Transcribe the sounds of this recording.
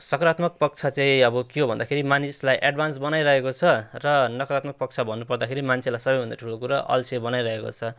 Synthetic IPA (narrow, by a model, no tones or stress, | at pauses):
sʌkɾat̪mʌk̚pʌk̚t͡sʰat͡sãĩʌbʌkiobʱʌnd̪akʰeɾimanislajʔaɖbʱansbʌnajɾʌɦekot͡sʰʌrʌnʌkʌɾat̪̚mʌk̚pʌk̚t͡sʰabʱʌnːupʌrd̪akʰeɾimant͡sʰelajsʌbʌjɦʌ̃nd̪aʈʰulokuɾaʔʌ̰lt͡sʰebʌnajɾʌɦeko̰t͡sʰʌ